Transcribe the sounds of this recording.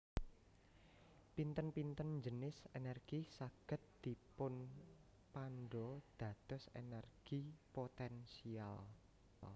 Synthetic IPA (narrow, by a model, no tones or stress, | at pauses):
pint̪ənpint̪ənd͡ʒənɪsenɛrɡ̥isaɡ̥ə̤t̪̚d̪̥i̤pʊn | panɖɔd̪̥ä̤d̪̥ɔ̤sḛnɛrɡ̥ipot̪ɛnsial